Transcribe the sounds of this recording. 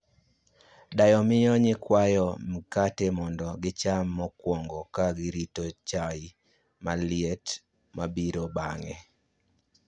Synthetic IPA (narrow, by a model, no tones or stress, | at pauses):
dajɔmɪjɔɲɪkwajɔm̩katɛmɔndɔɡɪt͡ʃamːɔkwɔŋɡɔkaɡɪɾitɔt͡ʃai | malɪɛt | mabiɾobaŋɛ̰